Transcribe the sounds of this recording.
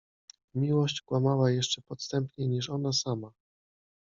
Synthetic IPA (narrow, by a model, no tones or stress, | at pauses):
mʲiwɔɕt͡ɕkwamawajɛʂt͡ʂɛpɔt̪st̪ɛmpɲɛɲiʂɔnasama